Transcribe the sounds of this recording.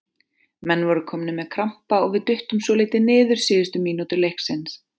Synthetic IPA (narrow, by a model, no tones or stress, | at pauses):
mɛnːvɔɾʏkʰɔːmnʏmɛðkʰɾam̥paɔɣvɪðt̪ʏht̪ʏmsvɔleːjt̪ɪnɪːðʏɾ̥sɪːðʏst̪ʏmiːnoːt̪ʏɾlehksɛns